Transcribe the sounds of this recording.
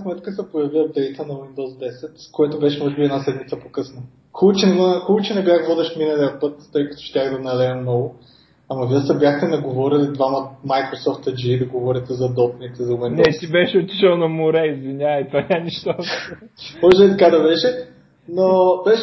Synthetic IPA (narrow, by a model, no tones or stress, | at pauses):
smɛt̪kəsɛpojɐviɐvd̪ɛjt̪ənɐwind̪ɔzd̪ɛsɛt̪skojɛt̪obɛʃɛmɔʒɛbiɛd̪nasɛd̪mit̪səpokɤsnə | xubət͡ʃɛnɛmxubət͡ʃɛnɛbʲjaxvɔd̪ɛʃminɐlʲiɐpɤt̪ːɤjkɐt̪o̥ʃt̪ʲaxd̪ɐnɐlɛɐmnɔɡʊ | amɐviəsɐbʲjaxt̪ɛnɐɡovɔɾilid̪vamɐmajkɾosɔft̪ɐd͡ʒiːd̪ɐɡovɔɾʲit̪ɛzɐd̪ɔpnʲit̪ɛzɐwinnɛt̪ibɛʃɛot̪ʲi̥t͡ʃəlˠnɐmʊɾɛizvinʲaɐt̪vanʲaniʃt̪o | mɔʒɛbit̪ɐkad̪ɐbɛʃɛ | nobɛʃ